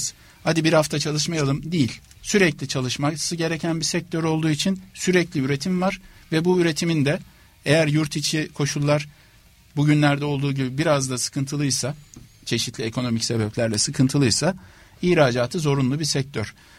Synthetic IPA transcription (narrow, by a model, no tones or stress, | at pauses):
z̥ | had̪ibiɾhaft̪ʰat͡ʃʰalˠɯʃmajalˠɯmd̪ejilʲ | syɾɛclʲit͡ʃʰalˠɯʃmasɯɟe̞ɾecʰænbisɛc̚t̪ʰøɾo̞lˠd̪uːit͡ʃʰinsyɾɛclʲiyɾe̞t̪ʰimvaɾvɛbuyɾe̞t̪ʰimind̪ɛ | e̞jæɾjuɾt̪ʰit͡ʃʰikʰo̞ʃulˠːaɾ̥ | buɟynlʲæɾd̪ɛolˠd̪uːɟibibiɾazd̪asɯ̥kʰɯnt̪ʰɯlˠɯjsa | t͡ʃʰe̞ʃit̪lʲiekʰo̞no̞micse̞bɛplʲæɾlʲɛsɯkʰɯnt̪ʰɯlˠɯjsa | iːɾaːd͡ʒaːt̪ʰɯzo̞ɾunlˠubiɾsɛc̚t̪ʰøɾ̥